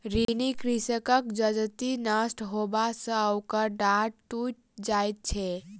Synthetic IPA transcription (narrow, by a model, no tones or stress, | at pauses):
ɾinikɾisəkəkd͡ʒəd͡ʒt̪inasʈɦobasə̃əwkəɾɖaɖ̚ʈut͡ʃ | d͡ʒajt̪̚t͡ʃʰɛ